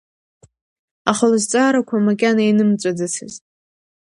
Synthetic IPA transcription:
aχəlɨzt͡sʼaːɾakʷʰamakʲʼanainɨmt͡sʷʼadɨtʰɨ̰z

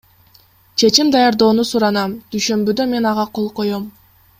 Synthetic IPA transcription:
t͡ʃʰe̞t͡ʃimd̪ɑjɑɾd̪o̞ːnusuɾɑnɑmd̪̥yjʃø̞mbyd̪ø̞me̞nɑʁɑqʰo̞lˠqo̞jo̞m

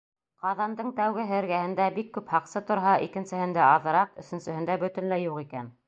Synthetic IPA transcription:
qɑðɑnd̪ɤɴt̪æwɡɘɦɘ̆ɾɡæhɘ̆nd̪æbikːʉphɑqsɤt̪ŏɾɦɑʔikɘ̆nsɘ̆hɘ̆nd̪æɑðɤ̆ɾɑqɵ̆sɵ̆nsɘ̆hɘ̆nd̪æbɵ̆t̪ɘ̆nlæjuʁikæn

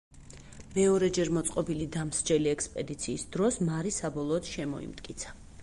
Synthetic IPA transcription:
mɛɔɾɛd͡ʒɛɾmɔt̪sʼqʼɔbilid̪amsd͡ʒɛliɛkspʼɛd̪it̪sʰiːsd̪ɾɔsmaɾisabɔlˠɔːd̪ʃɛmɔ̰ḭmt̪ʼkʼit̪sʰḁ

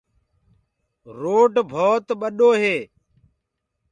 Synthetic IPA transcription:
ɾoːʈbʱoːt̪ɓəɗoːɦeː

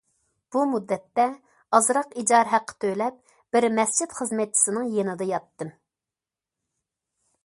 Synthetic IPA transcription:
b̥umud̪ːɛt̪ːɛ | ɑzɾɑqid͡ʒɑɾɦæqʰːə̥t̪ʰølɛp̚ | b̥ɪɾmɛst͡ʃʰit̪χəzmɛt̪̚t͡ʃʰi̥sɪnɨŋjenɨd̪ɨjɑt̪ːɨm

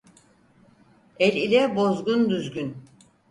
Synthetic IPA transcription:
ɛlʲilʲɛbo̞zɡund̪yzɡyn

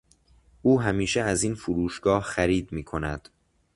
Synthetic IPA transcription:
ʔuːɦæmiːʃeæziːnfuɾuːʃɡ̥ɒːhxæɾiːd̪̚miːkʰo̞næd̪̥

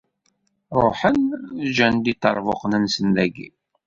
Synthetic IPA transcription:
ɾˤoħənd͡ʒænd̪it̪ːɑɾˤvoqənənsənːæɡḭ

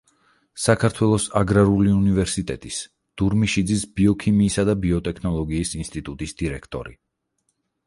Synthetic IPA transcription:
sakʰaɾt̪ʰwɛlˠɔsaɡɾaɾuliunivɛɾsit̪ʼɛt̪ʼis | d̪̥uɾmiʃid̪zisbiɔkʰimiːsad̪abiɔt̪ʼɛkʰnɔlˠɔɡiːsinst̪ʼit̪ʼut̪ʼisd̪̥iɾɛkʰt̪ʼɔ̰ɾḭ

